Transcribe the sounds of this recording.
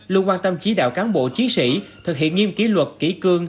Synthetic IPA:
lɨ˧nkwaː˧nt̪ə˧mt͡ɕi˨˦ɗa̰ː˧˨wkaː˨˦nɓo̰˧˨t͡ɕi˨˦nsḭ˧˩t̪ʰɨ˨˩k̚hḭ˧˨ənŋi˧əmki˨˦lwə˨˩t̚kḭ˧˩kɨ˧əŋ

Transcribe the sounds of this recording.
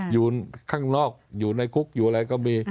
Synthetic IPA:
juː˨˩kʰaː˥˩ŋnɔː˥˩k̚juː˨˩na˧jkʰu˦˥k̚juː˨˩ʔa˧ɾa˧jkɔː˥˩miː˧

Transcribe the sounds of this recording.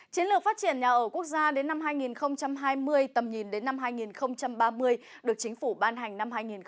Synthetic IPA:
t͡ɕi˨˦ənlɨ˨˩ək̚faː˦˥t̚t͡ɕi˧˩ənɲaː˨˩ʔəː˧˩ku˦˥ək̚zaː˧ɗe˨˦nːa˧mɦaː˧jŋi˨˩nxə˧wŋ͡mt͡ɕa˧mɦaː˧jmɨ˧əjt̪ə˨˩mɲi˨˩nɗe˨˦nːa˧mɦaː˧jŋi˨˩nxə˧wŋ͡mt͡ɕa˧mɓaː˧mɨ˧əj | ɗɨ˨˩ək̚t͡ɕï˨˦ŋ̟fu˧˩ɓaː˧nɦa˨˩jŋ̟na˧mhaː˧jŋi˨˩n

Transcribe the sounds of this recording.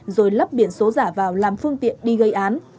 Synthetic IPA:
zo˨˩jlə˦˥p̚ɓi˧˩ənso˨˦zaː˧˩vaː˨˩wlaː˨˩mfɨ˧əŋt̪ḭ˧˨ənɗi˧ɣə˧jʔaː˨˦n

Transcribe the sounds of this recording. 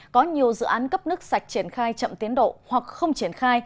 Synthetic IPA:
kɔ˨˦ɲi˨˩əwzɨ̰˧˨ʔaː˨˦nkə˦˥p̚nɨ˦˥ək̚sa˨˩jk̚t͡ɕi˧˩ənxaː˧jt͡ɕə̰˧˨mt̪i˨˦nɗo̰˧˨hwa˨˩k̚xə˧wŋ͡mt͡ɕi˧˩ənxaː˧j

